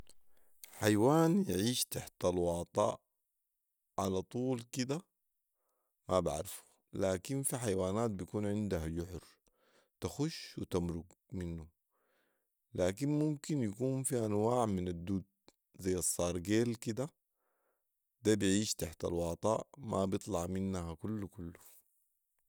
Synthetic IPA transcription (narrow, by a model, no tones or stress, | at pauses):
ħajwaːnjʕiːʃt̪aħt̪alwɑːt̪ˤɑ̰ːʔ | ʕalat̪ˤuːlkid̪a | maba̰ʕɾfu̥ | laːkinfiħajwaːnaːt̪̚bijkuːnʕɪnd̪aɦad͡ʒʊħɾ | t̪axuʃwit̪amɾʊɡminːu | laːkinmumkinjakuːnfiʔanwaːʕminad̪ːuːd̪̚ | zajːɑsˤːɑːɾˤɡeːlkid̪a | d̪abiʕiːʃt̪aħt̪a̰lwɑːt̪ˤɑːʔmabjɨt̪ˤlɑʕminːaɦakulːukulːu